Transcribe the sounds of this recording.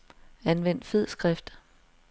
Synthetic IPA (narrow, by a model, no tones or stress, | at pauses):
ænʋen̰d̥feð̰ˠsɡ̥ʁafd̥ɐ